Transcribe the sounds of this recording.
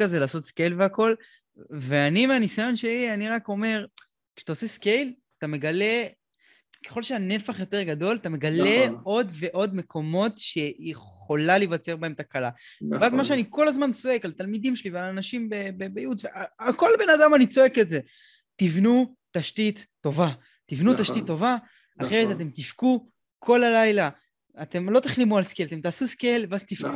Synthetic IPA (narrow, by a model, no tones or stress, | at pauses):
kaze̞laːso̞t̪skejlveako̞l | veanimeanisajo̞nʃe̞lianiʁako̞me̞ʁ | kʃe̥t̪aoseske̞jlatame̞ɡale̞ | keχo̞lʃeane̞faχjo̞te̞ʁɡado̞lat̪ame̞ɡalee̞o̞dve̞ʔo̞dme̞kʰo̞mo̞tʃe̞jeχo̞lalevat͡se̞ʁbae̞met̪akalaveazmaʃeaniko̞lazmant͡so̞e̞kalat̪almid̪imʃelivealanaʃimbebebejudveaːko̞lbe̞nadamanit͡so̞e̞ketze̞ | t̪ivnu | taʃtit̪ːo̞va | t̪ivnut̪aʃt̪it̪ːo̞vaː | χʁejzeat̪e̞mt̪ifku | kʰo̞lalajlaː | t̪e̞mlo̞t̪aχlimualskelat̪e̞mtaːsuskelveazt̪ifku